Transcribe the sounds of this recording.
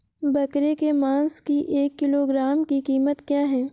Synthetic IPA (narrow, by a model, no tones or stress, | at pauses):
bɐkɾekemãːnskiʔeːkːɪloːɡɾaːmkikiːmət̪kjaːɦɛː